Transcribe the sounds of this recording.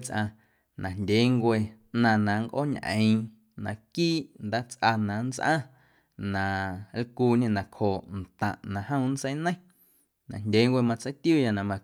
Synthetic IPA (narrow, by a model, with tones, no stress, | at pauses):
t͡sʔa˧ | nʔã˨ndʲe˨˦ŋkʷe˧ʔnã˧nã˨ŋkʔo̰˦˨ɲʔə̰̃˨ĩ˧ | nã˨kiː˦ʔnd̪aː˦t͡sʔa˧nã˨n˦t͡sʔã̰˦ | nã˨lkuː˧ɲẽ˧nã˨khoː˨ʔnt̪ã˨ʔnã˨hə̃˦˧˨n̩˦sə˦jnə̃˦˨ | nã̰˨ndʲe˨˦ŋkʷe˧mã˧t͡sə˦t̪ju˦˨ja˧˨nã˨mã˧